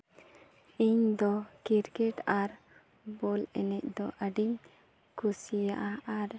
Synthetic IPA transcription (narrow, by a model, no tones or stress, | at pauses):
iɲd̪ɔkiɾkɛʈaɾ | bɔlɛnɛc̚d̪ɔʔaɖiɲ | kusijaʔaaɾ